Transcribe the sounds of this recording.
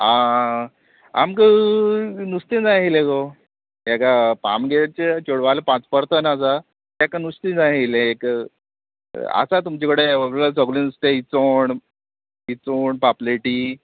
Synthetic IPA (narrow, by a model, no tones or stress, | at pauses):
ã | a̰mkə | nust̪ed͡zaɦileko | ekapa̰mɡet͡ɕet͡ɕoɽʋalepãt͡spəɾt̪ənasa | t̪akanust̪ĩd͡zaɦileːk | a̰sat̪umt͡ɕekəɽeʋəɡɾelasəɡlinust̪eit͡soɳ | it͡soɳpapleʈiː